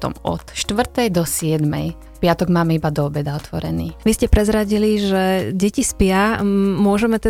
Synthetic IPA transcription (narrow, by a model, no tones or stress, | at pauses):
t̪ɔ̰mɔ̰t̪ʃt̪ʋr̩t̪ɛjd̪ɔsɪɛd̪mɛ̰j | pɪat̪ɔɡmaːmɛibad̪ɔɔbɛd̪aɔt̪ʋɔɾɛ̰nḭːʋiscɛpɾɛzɾaɟiliʒɛɟɛcispɪamʊɔʒɛmɛt̪ɛ